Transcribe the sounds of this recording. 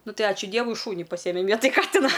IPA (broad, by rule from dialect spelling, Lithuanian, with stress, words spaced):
ˈnʊ ˈtɐɪ ˈɑːt͡ʃʲʊ ˈdʲiɛʋʊɪ ˈʃuːnʲɪ pɐˈsʲiːjɛmʲɛm ˈʋʲiɛtɐj ˈkɑːtʲɪnɐ